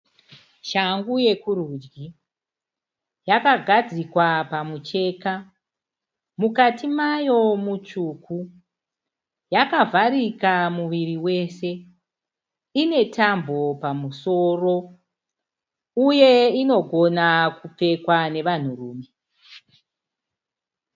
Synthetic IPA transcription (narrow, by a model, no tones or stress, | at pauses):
ʃaŋɡuje̞kurud͡ʒɡi | jakaɡʱad͡zikwapamut͡ʃe̞ːka | mukatimajo̞mut͡ʃuːkʰu | jakavʱaɾikamuʋiriwe̞se̞ | ine̞tʰambʱo̞pamuso̞ːro̞ | uje̞ino̞ɡʱo̞nakup͡fe̞kwane̞ʋan̤urṵːme̞